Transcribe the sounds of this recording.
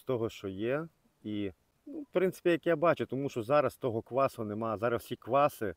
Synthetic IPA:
st̪ɔɦɔʃt͡ʃɔjɛ | i | nupɾɪntsɪ̥pʲijɐkjabɑt͡ʃʊt̪ɔmuʃt͡ʃɔzɑɾɐst̪ɔɦɔkʋ̪ˠɑsʊnemɑzɑɾɐssʲikʋˠɑsɪ

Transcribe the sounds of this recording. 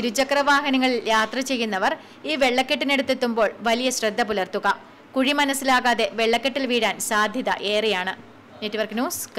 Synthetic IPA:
iɾud͡ʑɐkɐrɐʋaːɦɐnɐŋːɐɭiljaːt̪rɐt͡ɕe̞jːunːɐʋɐr | iːʋe̞ɭːɐkːeʈːine̞ɽut̪ːet̪ːumbo̞ːɭʋɐlijɐɕrɐd̪ːɐpulɐrt̪uɣɐ | kuɻimɐnɐsːilaːɣaːðe̞ʋe̞ɭːɐkːeʈːilʋiːɽaːnsaːd̪ʱjɐðɐ̰ʔe̞ːrijaːɳɨ | netːiʋɐrknjuːsk

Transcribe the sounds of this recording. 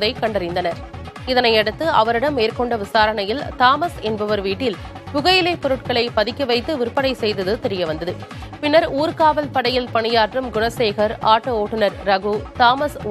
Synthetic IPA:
ðɐɪkɐɳɖɐɾɪnd̪ɐnɐɾ | ɪðɐnɐɪɛɽɯt̪ːɯɐʋɐɾɪɽɐmːeːɾkɔɳɖɐʋɪsaːɾɐɳɐjɪlt̪aːmɐsɛnbɐʋɐɾʋiːʈːɪl | pʊɣɐjɪlɐɪpɔɾɯʈ̚kɐɭɐɪpɐðɪkːɐʋɐɪt̪ːɯʋɪɾɯpːɐɽɐɪsɛjðɐðɯt̪ɛɾɪjɐʋɐnd̪ɐðɯ | pɪnːɐɾuːɾkaːʋɐlpɐɽɐjɪlpɐɳɪjaːʈrɯmɡʊɳɐseːɣɐɾaːʈːɯoːʈːɯnɐɾɾɐɣut̪aːmɐs

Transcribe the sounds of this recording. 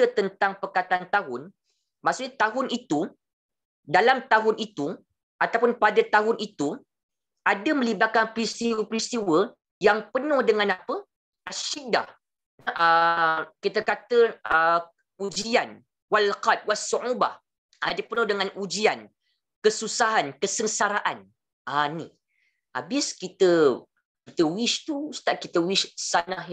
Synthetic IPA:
ət̪ənt̪aŋpərkat̪ant̪aɦʊn | maksuk̚ɲat̪aɦʊnit̪u | dalamt̪aɦʊnit̪u | ʔat̪awpʊnpadat̪aɦʊnʔit̪u | ʔadəmə̃libat̪̚kanpɾist̪iwəpɾist̪iwə | jaŋpənʊ̃hdəŋãnapə | ʔaʃida̰ | nəʔəkit̪əkat̪əə | ud͡ʒian | walqat̪̚wasuʔuba̰h | adəpənʊhdəŋanʔud͡ʒian | kəsusaɦankəsəŋsaɾaʔan | anḭ | a̰bɪskit̪ə | kit̪əwiʃt̪usə̥t̪aʔ̚kit̪əwiʃsanah

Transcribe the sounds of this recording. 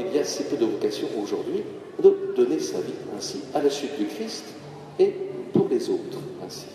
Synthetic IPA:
ilijasipød̪əvɔkazjɔ̃oʒuʁd̪ɥi | d̪əd̪ɔnesa̰viɛ̃sialasɥit̪̚d̪ykχist̪ | epuʁlezoːt̪χɛ̰̃si̥

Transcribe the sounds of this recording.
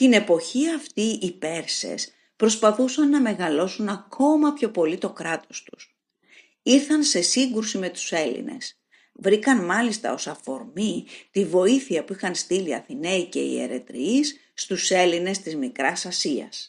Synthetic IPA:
t̪ine̞po̞çiɐft̪iipe̞ɾse̞̰s | pɾo̞spɐθusɐnːɐme̞ɣɐlo̞sunɐkʰo̞mɐpço̞po̞lit̪o̞kɾɐt̪o̞st̪u̥s | iɾθɐnse̞siŋɡɾusime̞t̪u̥se̞lḭne̞̰s | vɾikɐnmɐlist̪ɐ̰o̞sɐfo̞̰ɾmit̪ivo̞iθiɐpuixɐnst̪iliɐ̰θine̞ice̞̰ḭe̞̰ɾe̞̰t̪ɾḭːsː | t̪use̞line̞st̪izmikɾɐsɐsiɐ̰s

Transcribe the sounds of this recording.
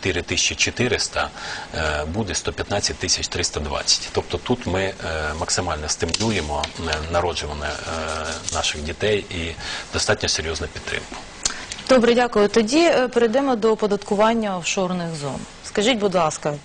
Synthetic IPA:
t̪ɪɾɪt̪ɪsʲt͡ʃit͡ʃɔt̪ɪɾɪst̪ɐ | bud̪ɛst̪ɔpʲjɐt̪nɑt͡sʲɐt̚ʲt̪ːɪsʲɐt͡ʃt̪ɾɪst̪ɐd̪ʋɑ̰t͡sʲːɐ̥tʲt̪ɔp̚t̪ɔp̚t̪ut̪mɪmɐksɪmɑlʲnɔst̪ɪmlʲujemɔnɐɾɔd͡ʒʊʋɐnːɛ | nɑʃɪxdʲit̪ɛjid̪̥ɔst̪ɑtʲnʲɔseɾʲjɔznɐpʲidt̪ːɾɪ̰mkʊ̥ | d̪̥ɔbɾɛdʲakʊjʊt̪ɔdʲipeɾɪjd̪ɛmɔd̪ɔpɔd̪ɐt̪kʊʋɑnʲːɐɔwʃɔrnɪxzɔn | skɐʒitʲbʊd̪lˠɑskɐ

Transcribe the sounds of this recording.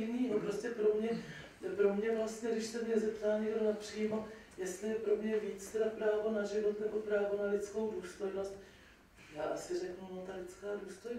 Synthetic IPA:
niːɦopɾoscɛpɾo̞mɲɛ | pɾo̞mɲɛvlast̪ɲɛdɪʃsɛmɲɛzɛpt̪aːɲɛɡdonapr̝̥iːmojɛst̪lɪjɛpɾo̞mɲɛviːt͡st̪ɛdapɾaːvo̞naʒɪvo̞t̪nɛbo̞pɾaːvo̞nalɪt͡sko̞wduːst̪o̞jno̞st̪̚ | jaːʔasɪrɛknunot̪alɪt͡skaːduːst̪oj

